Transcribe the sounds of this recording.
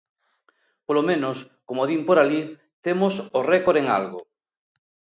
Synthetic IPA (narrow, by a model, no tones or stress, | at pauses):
polomẽnos | komoðimpoɾali | t̪emosorekoɾeŋa̰lɣo